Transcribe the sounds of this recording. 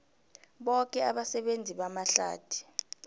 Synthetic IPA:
ɓɔk̬ʼɛaɓasɛɓend͡zʱiɓamaɬa̰ːd̥ʰʱi̥

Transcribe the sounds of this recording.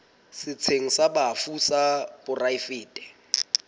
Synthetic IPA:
sɪt͡sʰeŋ̩sabafusabʊraifɪːtʼɛ̥

